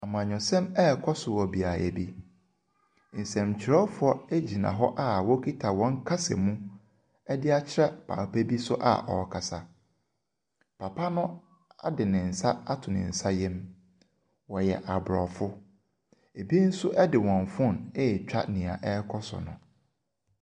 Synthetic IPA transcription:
a˨mʊ̃˨ã˨ɲᶣʊ̃˨sɛ̃˦mɛ˦˨kʰɔ˦sʊ˨wɔ˨bi˨a˨æ̰˨bi˦ | n̩˨sɛ̃˨mt͡ɕʰɪ˨ɾɛ˦fʊ˦ɔ˦æ˦d͡ʑi˨nã̰˨ɦɔ˦ʔa˦wɔ˦kʰi˦tʰa˨wɔ̃˦ŋ˦kʰa˦sɛ̰˨mũ˦ | ɛ˦dɪ˦a˦t͡ɕʰɪ˦ɾɛ˦pʰa̰˨pæ˦bi˦sʊ˦ʔa̰˨ʔɔ̰˨kʰa˨sa˨ | pʰa˨pʰa˦nʊ̃˦ | a˦dɪ˨nɪ̃˨n̩˨sa˦a˦tʰʊ˨nɪ̰̃˨n̩˨sa˦jɛ̃˦m | wɔ˨jɛ˨ʔa˨bɾɔ˨fʊ˦ | e˨bi˦n̩˦sʊ˦ʔɛ˦dɪ˨wɔ̃˨n˨fʊ̃˦˨nɛ˦˨t͡ɕᶣa̰˦nɪ̃˨a̰˨ʔɛ˦kʰɔ˦sʊ̰˨nʊ̰̃˨

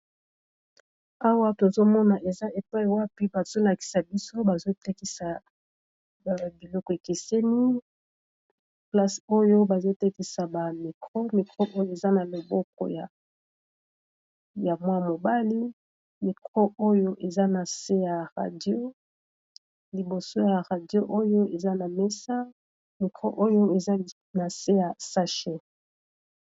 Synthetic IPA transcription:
a˦wa˦to˨zo˦mɔ˦na˨ʔe˨za˦e˨pa˦i˨wa˦pi˦ba˨z̥o˦la˨ki̥˨sa˨bi˦so˦ba˨zo˦te˦ki˦sa˨ | ba˨bi˨lɔ˦kɔ˨e˨ke˨sɛ˦ni˦ | pla˦so˦jo˦ba˨zo˦te˦ki˨sa˨ba˨mi˨kʁo˦mi˨kʁo˦ʔo˦jo˦e˨za˦na˨lo˨bɔ˦kɔ̰˨ja˨ | ja˨mwa˦mo˨ba˦li˦ | mi˨kʁo˦o˦jo˦ʔe˨za˦na˨se˦ja˨ʁa̰˨djo˦ | li˨bo˨so˦ja˨ʁa˨djo˦ʔo˦jo˦e˨za˦na˨me˦sa˦ | mi˨kʁo˦ʔo˦jo˦e˨za˦ | na˨se˦ja˨sa˦ʃe˦

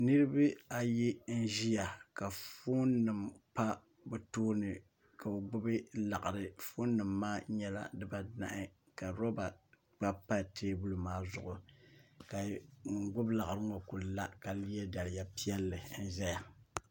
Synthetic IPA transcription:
nɨ˦ɾɨ˦bɨ˦a˨jɛ˦n̩˦ʒi˦ja˨ka˨fo˦nːɨ˨mpa˦ | bɛ˨toː˦nɨ˨ | ka˨o˨ɡ͡bʊ˦bɨ˦la˨ʔa˨ɾɨ˨fo˦nːɨ˨mːaː˦ɲɛ˦la̰˦dɨ˦ba˨da̰˨ʔɪ˦ | ka˨ɾɔ˦ba˨ | k͡pa˦pa˦tʰeː˦bu˦lu˨maː˦zʊ˨ʔʊ˨ka˨ŋ̩˨ɡʊ˦bla˨ʔa˨ɾɨ˦ŋɔ˨ku˨lla˦ka˨li˦jɛ˦da˨lɪ˨ja˦pi˦ɛ˦lːɨ˨n̩˦ʒɛ˦ja˨

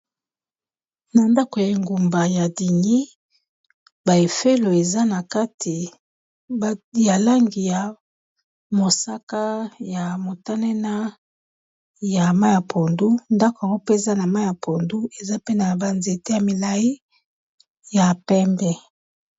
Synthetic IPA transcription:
na˨nda˦ko˨ja˨i˨ŋɡu˨mba˨ja˨di˨ni˦ | ba˨e˨fe˦lo˨e˨za˦na˨ka˦tʰi˨ | ja˨la˦ŋɡi˨ja˨ | mo˨sa˦ka˦ja˨mo˨ta˦nɛ˦na˦ | ja˨ma˦ja˨pʰo˨ndu˦nda˦ko˨ŋɡo˦pe˦˨za˦na˨ma˦ja˨pʰo˨ndu˦e˨za˦pe˦na˨ba˨nze˨te˦ja˨mi˨la˨ji˦ | ja˨pɛ˦mbɛ˦

